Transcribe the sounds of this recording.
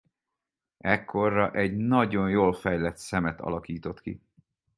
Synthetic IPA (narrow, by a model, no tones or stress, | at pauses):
ɛkʰːo̞rːɒʔɛɟnɒɟo̞njoːlfɛjlɛt̪sɛmɛt̪ɒ̰lɒkiːt̪o̞t̪kḭ